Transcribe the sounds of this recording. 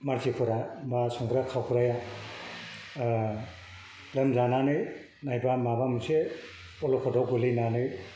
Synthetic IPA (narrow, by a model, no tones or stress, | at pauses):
maɾzikʰuɾabasuŋɾakʰawkʰuɾaja | lɯmzananɯ | najbamabamuse | ɔlɔkʰɔdɔwɡɯlɯjnanɯj